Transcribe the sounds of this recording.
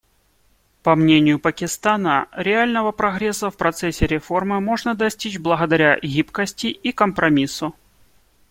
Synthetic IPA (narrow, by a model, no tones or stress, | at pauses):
pɐmnʲenʲɪjʊpəkʲɪst̪anəɾʲɪalʲnəvəpɾɐɣɾʲesːəfpɾɐt̪sɛsʲːɪɾʲɪfo̞rmɨmo̞ʐnəd̪ɐsʲtʲit͡ɕblˠəɣəd̪ɐɾʲaɣʲipkəsʲtʲɪikəmpɾɐmʲisʊ